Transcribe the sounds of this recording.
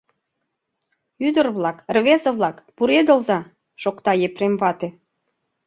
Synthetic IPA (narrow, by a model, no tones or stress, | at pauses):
yd̪ə̆rβlɑkrβesə̆βlɑkpuɾed̪əlzɑ | ʃokt̪ɑjepɾemβɑt̪e